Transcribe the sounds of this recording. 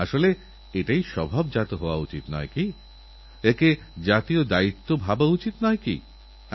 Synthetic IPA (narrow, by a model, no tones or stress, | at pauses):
aʃole | eʈaiʃɔbʱabd͡ʑat̪oɦooa̰ut͡ɕit̪nɔ̰eki | eke | d͡ʑat̪iod̪ait̪ːobʱabaut͡ɕit̪nɔekḭ